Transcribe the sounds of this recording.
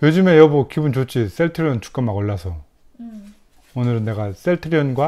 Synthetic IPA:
jod͡ʑume̞jʌbokibunt͡ɕot͡ɕʰis͈eɭtʰɯɾiʌnt͡ɕu̥k͈amːaɡʌɭːasʰʌ | onɯɾɯnːe̞ɡas͈eɭtʰɯɾiʌnɡwa

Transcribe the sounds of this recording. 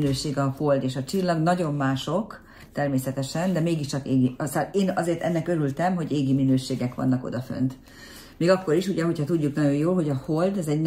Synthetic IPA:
nøːʃeːɡɒho̞ld̪eːʃɒt͡ʃilːɒɡnɒɟo̞mːaːʃo̞k | t̪ɛrmeːsɛt̪ɛʃɛnd̪ɛmeːɡiʃt͡ʃɒkeːɡisaleːnɒzeːrt̪ɛnːɛkøɾylt̪ɛmɦo̞ɟeːɡiminøːʃeːɡɛkʋɒ̰nːɒko̰d̪ɒfø̰nt̪ | meːɡɒkːo̞ɾiʃuɟɛɦo̞chɒt̪uɟːuknɒɟo̞joːlɦo̞ɟɒhold̪ɛzɛɟn

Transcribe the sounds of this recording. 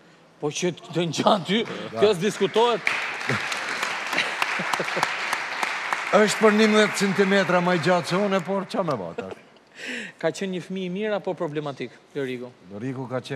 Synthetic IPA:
pɔt͡ɕəd̪ənd͡ʑat̪ykəʃd̪iskut̪ɔɦɛt̪ | əʃt̪̚pəɾnimðɛt̪t͡sɛnt̪imɛt̪̬ɾamajd͡ʑasɔnɛpɔɾt͡ʃamɛva̰t̪a̰ | kat͡ɕɛnɲəfəmimiɾapɔpɾɔblɛmat̪iklɔɾiɡulɔɾiɡukat͡ɕɛ

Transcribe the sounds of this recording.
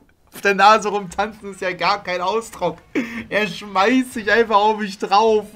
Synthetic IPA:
ʔaʊfd̥eːɐnaːzəʁʊmtʰant͡sn̩ɪstjaːɡaːɐkʰaɪnaʊsd̥ʁʊkʔeːɐʃmaɪstz̥ɪçʔaɪnfaχaʊfmɪç̬d̥ʁaʊf

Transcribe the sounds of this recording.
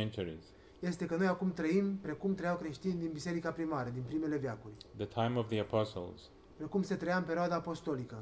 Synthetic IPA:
ɛ̃nt͡ʃuɹḭz̥ | je̞st̪e̞kəno̞jakumt̪ɾəimpɾe̞kumt̪ɾəjawkɾe̞ʃt̪inʲd̪inbise̞ɾikapɾimaɾəd̪inpɾime̞le̞vjakurʲðətʰãɪ̃mɔvðiəpʰɔsl̩ˠz̥ | pɾe̞kumse̞t̪ɾəjaɨmpe̞ɾioad̪aːpo̞st̪o̞likə

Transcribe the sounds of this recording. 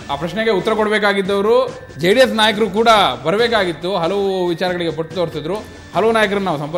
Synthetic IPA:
aːpɾɐʃɳeɡe̞ut̪ːɐɾɐkoɽɐbɛːkaːɡid̪ːɐʋɐɾu | d͡ʒejɽijesnaːjɐk̬ɐɾukuːɽɐbɐɾɐbeːkaːɡit̪ːuɦɐlɐʋuʋit͡ʃaːɾɐɡɐɭiɡe̞bɐʈːt̪oːɾsid̪ɾu | hɐlɐʋunaːjɐk̬ɐɾɐnnːaːʋusɐmpɐ

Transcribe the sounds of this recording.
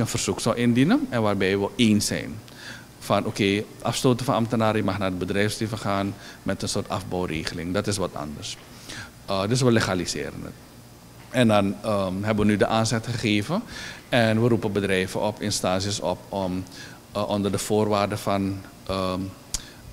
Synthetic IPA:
ənfərz̥uksɑlˠʔɪndinənɛnʋaːrbɛjʋəʔeːnsɛ̰jn | fɑnʔoːkeːʔɑfstoːtəfɑnɑmtənaːɾəjəmɑχnaːdəbədrɛjfstevəχaːnmɛtənsoːrtɑfbɔwreːχəlɪŋdɑtɪs̬ʋɔtɑ̰ndərs | dɵs̬ʋəleχalisɪ̰ːɾə̰nə̰t | ɛndɑnɦɛbəʋənydəʔaːnzɛtχəχeːvəɛnʋəɾupəbədrɛjvəʔɔpɪnstaːsjəsɔ̰pɔm | ʔɔndərdəfoːrʋaːrdəfɑn | ə

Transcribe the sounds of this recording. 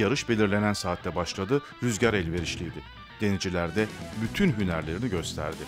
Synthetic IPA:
jaɾɯʃbe̞lʲiɾlʲe̞nænsaːt̪ʰlʲɛbaʃlˠad̪ɯ | ɾyzɟaɾɛlʲve̞ɾiʃlʲijd̪ɪ | d̪̥e̞nid͡ʒilʲæɾd̪ɛbyt̪ʰynɦynæɾlʲe̞ɾiniɟø̞st̪ʰæ̰ɾd̪ɪ

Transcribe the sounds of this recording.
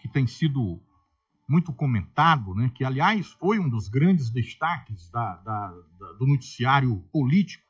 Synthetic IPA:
kɪt̪ẽj̃sid̪ʊ | mũj̃t̪ʊkõmẽnt̪ad̪ʊnɛkɪaliajsfojũd̪ʊzɡɾɐ̃d͡ʒɪzd̪est̪akɪzd̪ɐd̪ɐd̪ɐd̪ʊnot͡ʃi̥siaɾjʊpolit͡ʃi̥kʊ̥

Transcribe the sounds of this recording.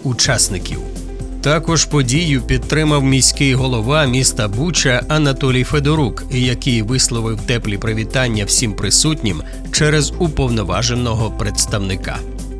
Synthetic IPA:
ʊt͡ʃɑsnɪkʲḭw | t̪ɑkɔʒ̥pɔdʲijʊpʲid̪̚t̪ːɾɪmɐwmʲijsʲkɪjɦɔlˠɔʋɑmʲist̪ɐbut͡ʃɐʔɐnɐt̪ɔlʲijfed̪ɔɾukjɐkɪjʋɪslˠɔʋɪwt̪ɛplʲipɾɐʋʲit̪ɑnʲːɐwsʲimpɾɪsutʲnʲim | t͡ʃɛɾɛzupɔwnɔʋɑ̰ʒenːɔɦɔpɾet̪st̪ɐwnɪkɑ̰

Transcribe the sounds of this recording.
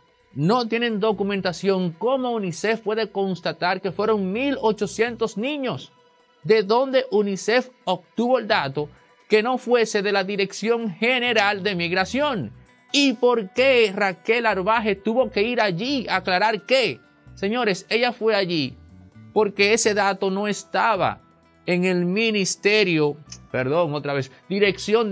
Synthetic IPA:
no̞t̪je̞nẽ̞nd̪o̞kumẽnt̪asjo̞ŋkomounise̞fpwe̞ðe̞ko̞nst̪at̪aɾkefwe̞ɾo̞ŋmilo̞t͡ʃo̞sje̞nt̪o̞snĩɲo̞s | d̪e̞ðo̞nd̪e̞ʔunisefob̚t̪uβo̞eld̪at̪o̞ | ke̞no̞fwe̞se̞ðe̞laðiɾe̞ksjo̞ŋhe̞ne̞ɾald̪e̞miɣɾasjo̞ŋ | ipo̞ɾkerake̞laɾβaɦet̪uβo̞ke̞iɾaʝiaklaɾaɾke | se̞ɲo̞ɾe̞se̞ʝafwe̞aʝipo̞ɾke̞ese̞ðat̪o̞no̞e̞st̪aβa̰ | eŋe̞lmĩnist̪eɾjopeɾðo̞ŋot̪ɾaβe̞sd̪iɾe̞ksjo̞n

